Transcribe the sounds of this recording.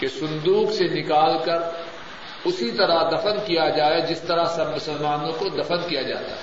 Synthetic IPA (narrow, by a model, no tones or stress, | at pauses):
kesʊ̃nd̪uːɡsenɪkaːlkɐɾ | ʊsit̪ɐɾad̪ɐfənkijad͡ʒaːed͡ʒɪst̪ɐɾasɐmʊsəlmaːnõkod̪ɐfənkijad͡ʒa̰ːt̪a̰ɦɛ